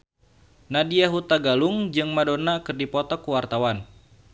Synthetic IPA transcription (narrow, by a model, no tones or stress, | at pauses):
nadiaɦut̪aɡaluŋd͡ʒɨŋmadonakɨrdipɔt̪ɔkːuwart̪awan